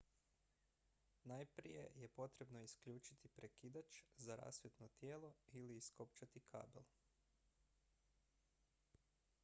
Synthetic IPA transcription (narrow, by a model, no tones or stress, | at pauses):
najpɾḭje̞̰jepo̞t̪ɾe̞bno̞iskʎuːt͡ʃit̪ʰipɾe̞kid̪at͡ʃzaɾa̰ːsʋjet̪not̪jeːlˠo̞iliːskopt͡ʃat̪ikʰa̰ːbḛlˠ